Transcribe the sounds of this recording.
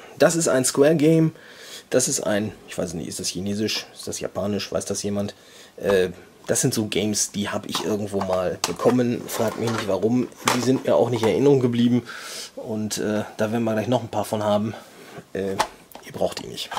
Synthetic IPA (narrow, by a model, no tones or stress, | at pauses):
d̥asɪstaɪnskwɛːɐɡɛɪm | d̥asɪstʔa̰ɪnʔɪçv̥a̰ɪssn̰ḭɪ̰std̥asçineːzɪʃɪstd̥asja̰pʰaːnɪʃv̥a̰ɪsd̥asjeːmant | ʔɛː | d̥asz̥ɪntz̥oːɡɛɪmsd̥iːhaːbəʔɪçʔɪɐɡŋ̩tv̥oːmaːlb̥əkʰɔmənfʁ̥aːk̚tmɪçnɪçtv̥aʁʊmdiːzɪntmiːɐʔa̰ʊxnɪçtnɛɐʔɪnəʁʊŋɡəbliːbm̩ʔʊntʔɛːd̥aːveɐdn̩viɐɡlaɪç̬nɔχnpʰaːɐfɔnɦaːbm̩ʔɛː | ʔiːɐbʁaʊxtḭːnɪ̰çt